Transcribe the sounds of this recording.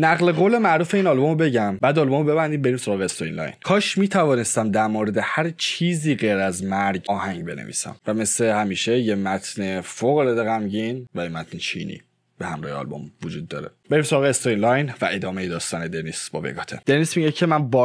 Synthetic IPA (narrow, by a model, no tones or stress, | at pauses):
næɣle̞ɣoːle̞mæʔɾuːfe̞iːnɒlbomobe̞ɟæmbæːd̪ɒlbomobe̞bænd̪imbe̞ɾiːmso̞ɾɒːɣeest̪oḭnlɒ̰jnkʰɒːʃmiːt̪ʰævɒːne̞st̪æmd̪æɾmoːɾe̞d̪e̞hæɾt͡ʃʰiːziːɡejɾæzmæɾɡɒːhæŋɟbe̞nḛvḭːsæ̰mvæme̞slehæmiːʃe̞jemæt̪ʰne̞foɣled̪eɣæmɟinvæjemæt̪ʰnet͡ʃʰḭːnḭː | b̥e̞hæmɾɒ̰ːheɒ̰lbo̰mvod͡ʒuːd̪ːɒ̰ːɾe̞be̞ɾiːmsoɒːɣeːst̪oinlɒjnvæʔe̞d̪ɒːme̞jed̪ɒːst̪ɒːne̞d̪enisbɒ̰ːbḛɡɒːt̪ʰed̪̥enismiɟecʰe̞mænbɒ